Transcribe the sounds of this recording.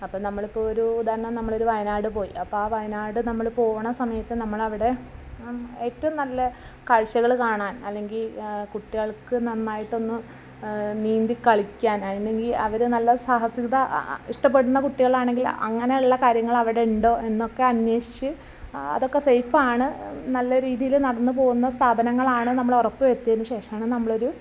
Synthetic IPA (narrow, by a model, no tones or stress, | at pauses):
ɐpːoːnɐmːɐɭipːoːoɾuːd̪aːɾɐɳɐmnɐmːɐɭo̞ɾuʋɐjnaːɽɨpo̞ːjḭɐpːoːaːʋɐjnaːɽɨnɐmːɐɭpo̞ːʋuɳɐsɐmɐjɐt̪ːɨnɐmːɐɭɐʋiɽe̞ | eːtːɐɐmnɐlːɐ | kɐɻt͡ɕːɐɣɐɭkaːɳaːnɐlːe̞ŋɡilkuʈːiɣɐɭkɨnɐnːaːjiʈːo̞nːɨ | niːnd̪ikɐɭikʲːaːnɐneŋɡilɐ̰ʋɐɾunɐlːɐsaɦɐsiɣɐðɐiʂʈɐp̬ːe̞ɽunːɐkuʈːiɣɐɭaːɳe̞ŋɡilɐ̰ŋːɐneuɭːɐkaːɾjɐŋːɐɭɐʋiɽe̞uɳɖo̞ːʔe̞nːo̞kːe̞ɐnweːʂi̥t͡ɕːɨ | ɐ̰ðo̞kːe̞sejfaːɳɨnɐlːɐɾiːðijilnɐɽɐnːɨp̬o̞ːɣunːɐst̪ʰaːbɐnɐŋːɐɭaːɳɨnɐmːɐɭorɐpːɨʋet̪ːiɐnːɨɕe̞ːʂɐmaːɳɨnɐmːɐɭo̞ɾu